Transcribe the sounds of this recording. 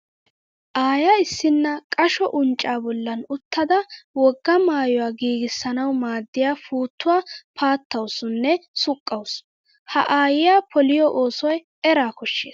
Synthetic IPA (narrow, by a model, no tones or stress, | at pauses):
ʔaːjɐɪsːɪnːɐkʼɐʃɔʔʊnt͡ʃʼːaːbɔlːɐnʊt̪ːɐd̪ɐwɔɡːɐmaːjɔwaːɡiːɡɪsːɐnɐwmaːd̪ːɪjaːfuːt̪ːʊwaːpʰaːt̪ːɐwsʊnːɛsʊkʼːɐws | hɐ̰ʔaːjɪjaːpʰɔlɪjɔʔoːsɔj | ɛɾaːkʊʃːeːs